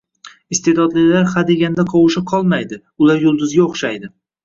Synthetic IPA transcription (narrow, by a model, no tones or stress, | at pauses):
ɪst̪ʰe̞d̪ɒd̪lɪlaɾhad̪e̞ɡʲanɪd̪aqʰɒwɪʃɪqʰɒlˠmajd̪ɪ | ʊlaɾjʊlˠd̪ʊzɡʲaoχʃajd̪ɪ